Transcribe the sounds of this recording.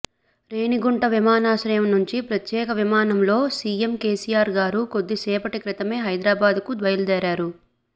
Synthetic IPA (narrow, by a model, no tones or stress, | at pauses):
ɾe̞ːniɡuɳʈɐʋimaːnaːʃɾɐjɐmnuɲt͡ʃipɾɐt̪jɛːkɐʋimaːnɐmlo̞ːsiːemkeːsijaːɾɡaːɾuko̞d̪ːisɛːpɐʈikɾit̪ɐme̞ːɦɐjd̪ɾaːbaːd̪kud̪ʋɐjɐld̪ɛːɾaːɾu